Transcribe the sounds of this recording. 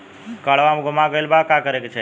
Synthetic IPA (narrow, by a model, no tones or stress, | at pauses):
kəɭʋamɡʱʊmãɡəelbakakəɾekt͡ʃʰe